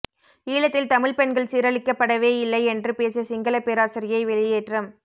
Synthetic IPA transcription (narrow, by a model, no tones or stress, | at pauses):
iːɭɐt̪ːɪlt̪ɐmɪɭpɛɳɡɐɭsiːɾɐɭɪkːɐpːɐɽɐʋeːɪlːɐɪɛndrɯpeːsɐsɪŋɡɐlɐpːeːɾaːsɪɾɪjɐɪʋɛɭɪjeːʈrɐm